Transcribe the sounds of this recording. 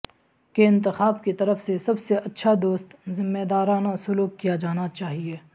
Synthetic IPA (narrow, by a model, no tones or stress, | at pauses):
keɪ̃nt̪̬ɪxaːbkit̪ɐɾəfsesɐbseʔɐtːʃʰad̪oːst̪zɪmːeːd̪aːɾaːnasʊluːkːijad͡ʒaːnat͡ʃaːɦieː